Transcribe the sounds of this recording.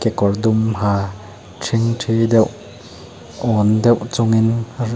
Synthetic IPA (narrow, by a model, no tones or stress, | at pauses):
kɛkɔrdumhaː | tʰiŋtʰedɛw | ʔɔːndɛwt͡sʊŋin